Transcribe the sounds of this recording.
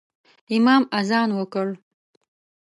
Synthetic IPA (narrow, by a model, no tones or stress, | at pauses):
imaːmazaːnwəkəɭ